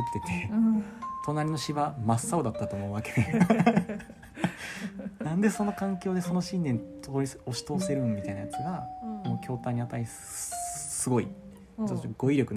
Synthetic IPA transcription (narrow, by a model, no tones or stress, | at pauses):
t̪ːe̞t̪ʰe̞ | t̪ʰo̞naɾʲino̞ɕiβamasːaod̪at̪ːat̪oːmo̞ɯβaked̪e | nãnd̪e̞so̞no̞kãŋkʲo̞ːd̪eso̞no̞ɕĩnd̪ẽ̞nt̪ʰoːɾʲiso̞ɕi̥t̪o̞ːse̞ɾɯ̟mʲit̪ainajat͡sɨɡamoːkʲo̞ːt̪ãɲ̟ːiat̪aɾʲi | sɨɡo̞i | t͡ʃoɡo̞iɾʲo̞kɯ̟